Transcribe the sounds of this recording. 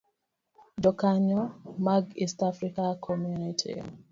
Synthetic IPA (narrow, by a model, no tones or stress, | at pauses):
dɔkaɲɔmaɡistafɾikakʰɔmjunitʰḭ